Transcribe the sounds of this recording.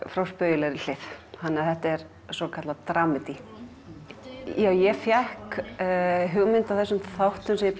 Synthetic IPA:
fɾawspœjɪlɛɾɪl̥ɪθhanːaθɛht̪ɛɾ̥ | sɔkʰat̪lat̪ɾaːmɪt̪i | jaːwjɛfjɛhk | ɦʏɣʏmɪnt̪aθɛsːʏmθawht̪ʏmsɛm

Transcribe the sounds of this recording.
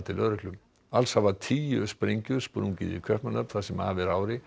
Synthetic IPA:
t̪ʰɪlœɾʏhklʏm | alshavat̪ʰiːjʏspɾejɲcʏspɔɾuncḭðɪ̰kʰœhpmanœp̪θasɛma̰ːvɪɾaːwɾɪ

